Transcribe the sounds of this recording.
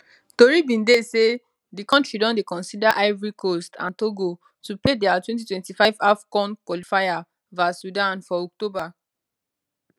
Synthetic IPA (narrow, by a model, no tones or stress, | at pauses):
toɹibĩndese | dikɔ̃ntɹidɔ̃ndekɔ̃nsidaʔaɪvɹikʰostʰã̰ntoɡo | tupledɛatwɛ̃nt̬itwɛ̃ntifaɪvafkɔ̃nkwɔlifaja | vasudãnfɔɔk̚toba